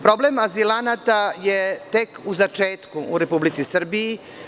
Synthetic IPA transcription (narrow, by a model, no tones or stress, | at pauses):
pɾo̞blemazilanat̪ajet̪e̞kuzat͡ʃeːt̪kuʔṵɾe̞publit̪sisr̩biji